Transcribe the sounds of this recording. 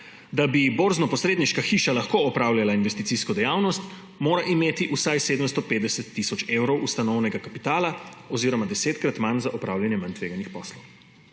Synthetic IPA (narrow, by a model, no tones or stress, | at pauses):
d̪abiboɾznɔpɔsɾeːd̪niʃkaxiːʃalaxkoɔpɾaːwljalainʋɛst̪it̪siːskɔd̪ɛjaːwnɔst̪ | moːɾaʔimeːt̪iʔusajseːd̪əmst̪ɔpeːd̪d̪ɛsɛt̪ːisɔt͡ʃewɾɔwʔust̪anɔwnɛɡakapi̥t̪aːlaɔziɾɔmad̪ɛseːt̪kɾat̪manzaʔɔpɾaːwljanjɛmant̪ʋeːɡanixpɔːslɔw